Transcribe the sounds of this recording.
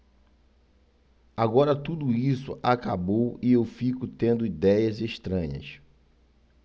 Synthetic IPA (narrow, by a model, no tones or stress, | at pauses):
aɡɔɾɐt̪ud̪ʊisʊ̰ʔakabowɪewfikʊt̪ẽnd̪ʊid̪ɛjɐzeʃt̪ɾɐ̃ɲɐ̰s